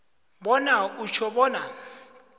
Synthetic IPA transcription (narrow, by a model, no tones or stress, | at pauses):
ɓɔnaut͡ʃʰɔɓɔːna